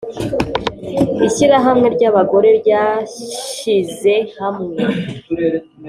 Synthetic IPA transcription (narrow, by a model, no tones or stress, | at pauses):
içiɾaɦamŋe̞ɾɟaβaɡo̞ɾe̞ɾɟa | ize̞hamŋee